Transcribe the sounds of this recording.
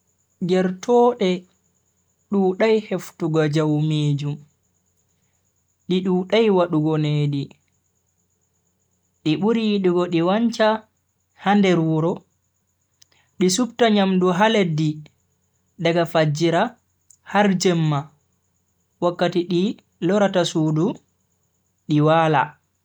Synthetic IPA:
d͡ʒɛɾtʰɔːɗɛ | ɗuːɗajheftuɡad͡ʒawmeːd͡ʒum | ɗiɗuːɗajwaɗuɡɔneːɗi | ɗiɓuɾiɗiɡɔɗiwaɲt͡ʃa | handɛɾuɾɔ | ɗisuptaɲamduɦaledːi | ɗaɡafad͡ʒiɾa | haɾd͡ʒɛmːa | wakːatiɗi | lɔɾatasuːdu | ɗiwaːla̰

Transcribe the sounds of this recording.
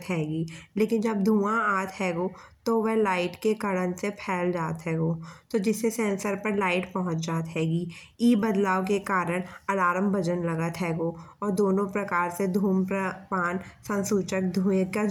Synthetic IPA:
t̪ɦɛːɡiːleːkɪnd͡ʒɐb̚d̪ʱũːãaːt̪ɦɛːɡoːt̪oʋɛɦlaːɪʈkekɐɽənsepʰɛːld͡ʒaːt̪ɦɛːɡoːt̪od͡ʒɪsːesɛ̃ːnsəɾpəɾlaːɪʈpɐɦʊ̃t͡ʃd͡ʒaːt̪ɦɛːɡiː | iːbɐd̪laːʋk̬ekaːɾəɽ̃ɐɽaːɾəmbʱəd͡ʒənlɐɡət̪ɦɛːɡoːɔːɾd̪oːnõpɾɐkaːɾsed̪ʱuːmpɾəpaːnsə̃nsuːt͡ʃək̚d̪ʱũːəka

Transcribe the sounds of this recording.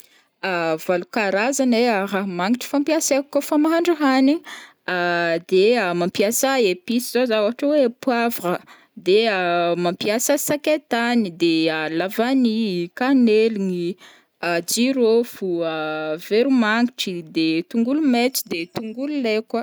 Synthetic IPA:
av̥alukaɾazaneaɾamaŋiʈ͡ʂi̥fampijasekːofamaɦaɳɖ͡ʐaɦani | ad̪eəmampjasaepisizozawaaʈ͡ʂəwepwavə | d̪eamampjasəsaket̪anid̪ealavanikaneliŋi | ad͡ʒiɾofuəveɾumaŋɡiʈ͡ʂid̪et̪uŋɡulumet͡si̥d̪et̪uŋɡululekwə

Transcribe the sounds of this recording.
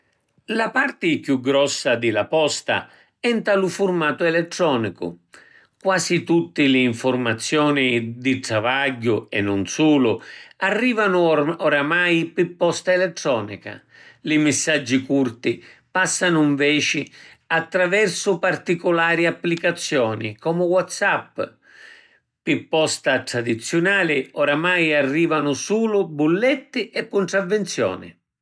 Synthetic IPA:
lapart̪ɪkjuɡɾɔsːad̪ɪlapɔst̪a̰ | ɛnt̪alʊfʊrmaːt̪ʊɛlɛt̪ːɾɔːnikʊ̰ | kwaːsit̪ut̪ːilɪːɱfʊrmat̪sːjɔːnid̪it̪ɾavaɟːʊɛ̰nːʊnsuːlʊarːiːvanʊɔɾamajpɪpːɔst̪aɛlɛt̪ːɾɔːnḭka̰ | lɪmɪsːad͡ʒːikurt̪ipasːanʊiɱvɛːt͡ʃɪ | at̪ːɾavɛrsʊpart̪ikʊlaːɾiapːlikat̪sːjɔːnikɔːmʊwɔt̪sapː | pipːɔst̪at̪ɾad̪it̪sːjʊnaːlɪɔɾamajarːiːvanʊsuːlʊbulːɛt̪ːɪʔɛkːʊɳʈ̪ɾavːɛnt̪sjɔ̰ːnɪ̰

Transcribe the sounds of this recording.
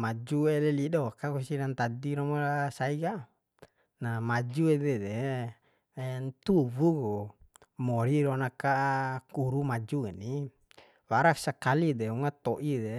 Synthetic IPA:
mad͡ʒuelelidɔkakusiɾant̪adiɾɔmalasaiɡa | namad͡ʒuedɛde | nt̪uvuɡu | mɔɾiɾonakakuɾumad͡ʒuɛni | waɾaksakalideuŋat̪oʔide

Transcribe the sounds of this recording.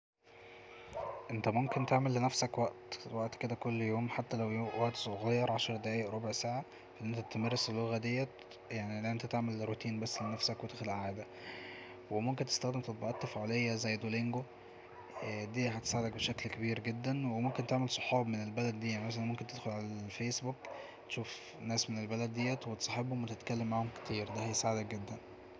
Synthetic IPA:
ʔent̪æmomkent̪eʕmelːenæfsækwæʔt̪wæʔt̪ked̪ækolːjoːmħat̪ːælæwwæʔt̪sˤoɣɑjːɑɾˤʕɑʃɾˤd̪æʔæːʔeʔɾˤobeʕsaːʕa | fæʔenːʔent̪æt̪ːemɑrˤːeselːoɣæd̪ejːæ | jaʕniʔent̪æt̪eʕmelɾot̪iːnbæsːlenæfsækwet̪exlʔaʕaːd̪æ | wemomkent̪e̥st̪æxd̪emt̪ɑt̪̚ˤbɑʔɑt̪ːæfʕolejːæzæjːd̪oleŋɡo | d̪iːɦæt̪e̥saʕed̪æk̚beʃæklkebiːɾɡed̪ːænwemomkent̪eʕmelsˤo̥ħɑːbmenelbælæd̪ːiːæʕnimæs̬ælænmomkent̪ed̪xolʕalæælfeːsbuk | t̪ʃuːf | næːsmenelbælæd̪̚ːejːæt̪wet̪e̥sˤɑħebhomːwet̪et̪kælːemːaʕhomke̥t̪ʰiːɾd̪æhæjesaʕed̪æk̚ɡed̪ːæn

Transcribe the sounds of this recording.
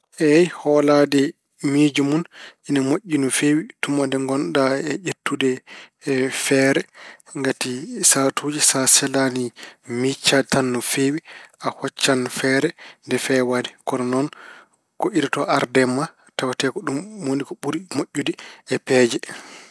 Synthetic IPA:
ʔɛjhɔladɛ | mid͡ʒumunʔinamoʔʲːinɔfewitumadɛŋɡɔndaɛʔetːudɛ | fɛɾɛŋɡatisatʰud͡ʒisasɛlanimit͡ʃːatanːɔfewiʔahɔt͡ʃːanfɛɾɛndɛfɛwadɛkɔɾɔnɔn | kɔʔiɾatɔʔaɾdɛmːa | tawatɛkɔɗumwonikɔɓuɾimoʔʲːudiɛpɛːd͡ʒɛ

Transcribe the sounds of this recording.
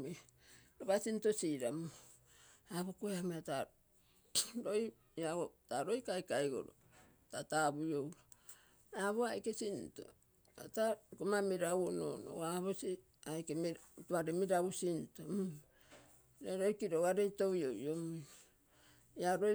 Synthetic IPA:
ɾoβasinto̞siɾamo | aβokoehameata | ɾoj | aɡotaɾo̞jkajkajɡo̰ɾo̰ | tataβujowɾo | aβoajkesinto̰ | a̰takomamiɾawono̰no̰aβosi | ajkemituaɾemiɾaβusinto | ɾeɾo̞jkiɾoaɾejto̞jojomo | jaɾo

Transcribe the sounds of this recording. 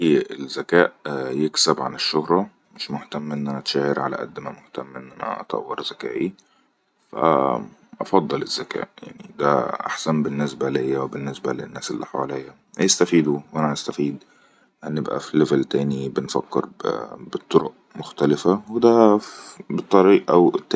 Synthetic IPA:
ielzːækæːʔjeksæbʕa̰neʃːohɾˤɑ | mɪʃmoħt̪æmːʔenːʔænææt̪ʃæːheɾʕalæ̰ʔæ̰d̪ːmæmoħt̪æmːʔenːʔænæ̰ʔɑ̰t̪ˤɑ̰wːeɾˤzækæ̰ːʔi | fæ̰ʔɑfɑd̪ˤːɑlez̥ːækæ̰ːʔja̰ʕnid̪æ̰ʔa̰ħsæmbɪnːɪsbælejːæwebɪnːɪsbælɪnːæːsɪlːḭħawalejːæ | hjest̪æfiːd̪uwʔænæast̪æfiːd̪ | ʔanːjɪbʔæ̰filːevælt̪æːnibɪnfæ̰kːɪ̰ɾbɪt̪ˤːoɾoʔ | mʊxt̪ælɪfawed̪æ | bɨt̪ˤːɑɾiːʔʔæwt̪ː

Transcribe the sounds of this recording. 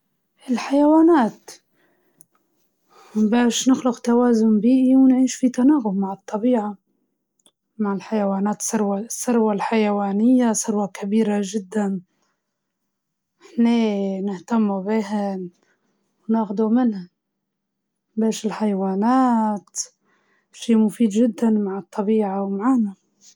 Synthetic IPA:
ʔɪlħajawaːnaːt̪ | mbaːʃnɪxlʊqt̪awaːzʊmbiːʔiwnʕiːʃfit̪anaːɣʊbmaʕɨt̪ˤːɑbiːʕa | maʕɪlħajawaːnaːt̪sʊɾwasˤːʊɾwalħajawaːnɪjːasˤʊɾwakabiːɾaʒɪd̪ːan | ħneːnɪht̪amːubiːɦan | wnaːxd̪umɪnha | beːʃɪlħajwaːnaːt̪ | ʃiːmʊfiːd̪ʒɪd̪ːanmaʕɨt̪ˤːɑbiːʕawmaʕaːna

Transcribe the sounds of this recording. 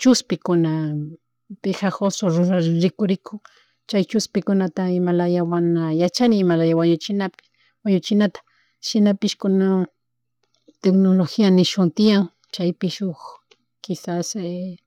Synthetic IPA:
t͡ʃʊspɪkʊna | pexaxosoɾʊɾaɾɪkʊɾɪkʰʊŋ | t͡ʃajt͡ʃʊspɪkʊnat̪aɪmalajawanajat͡ʃanɪːmalajawaɲʊt͡ʃɪnapɪ̥ | waɲʊt͡ʃɪnat̪ḁ | ʃɪnapɪʃkʊna | t̪eknoloxianɪʃʊnt̪ɪjaŋ | t͡ʃajpɪʃox | kɪsase

